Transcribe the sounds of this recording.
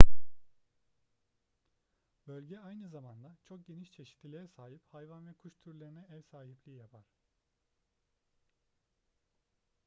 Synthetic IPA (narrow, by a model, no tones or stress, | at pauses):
bølʲɟɛajnɯzamand̪at͡ʃʰo̞k̚ɟe̞niʃt͡ʃʰe̞ʃi̥t̪lʲilʲeɾɛsaːɦiphajvanvɛkʰuʃt̪ʰyɾlʲeɾinɛɛvsaːɦiplʲijapʰaɾ̥